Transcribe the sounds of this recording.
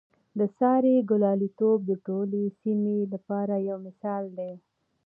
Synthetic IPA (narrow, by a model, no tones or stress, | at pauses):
d̪əsɑɾeɡʊlɑlit̪ob̚d̪əʈolesimelapɑɾajawmɪsɑld̪e